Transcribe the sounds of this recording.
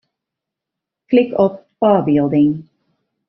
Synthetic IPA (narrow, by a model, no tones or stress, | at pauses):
klɪkɔppɑːbɪlˠd̪ɪŋ